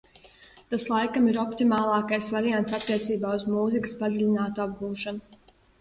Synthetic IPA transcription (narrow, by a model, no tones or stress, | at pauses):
t̪aslˠajkamiɾɔpt̪imaːlˠɑːkajsvaɾijant̪sat̪ːiɛt̪siːbaːuzmuːzikə̥spad̪zilʲinaːt̪uab̚ɡuːʃanu